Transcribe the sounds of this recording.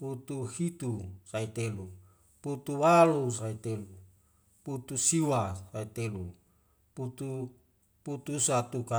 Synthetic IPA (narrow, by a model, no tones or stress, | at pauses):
put̪uhit̪usait̪elu | put̪uwalus̬ait̪elu | put̪usiwasait̪elu | put̪u | put̪usat̪uka